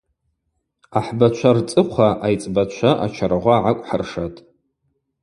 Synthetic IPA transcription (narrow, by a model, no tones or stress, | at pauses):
aħbat͡ʃʷʰart͡sʼɨqʷʰaʔajt͡sʼbat͡ʃʷʰaʔa̰t͡ʃʰaɾaʁʷaːʕakʷʼħarʂatʼ